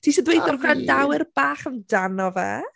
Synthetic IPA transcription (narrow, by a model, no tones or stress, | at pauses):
tʰiːʃɔdwejθɔrɡrandawɪrb̥aːχəndanɔvɛ̰